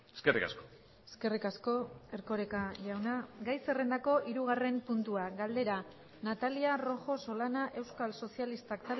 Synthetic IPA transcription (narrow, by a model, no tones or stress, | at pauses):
eskerikasko̥ | e̥ske̞rikasko̞e̞ɾko̞ɾe̞kaʎawnaɡajse̞re̞nd̪ako̞ʔiɾuɣare̞mpunt̪uaɡald̪e̞ɾa | nat̪aliaro̞xo̞so̞lanaʔe̞wskalso̞sialist̪akt̪a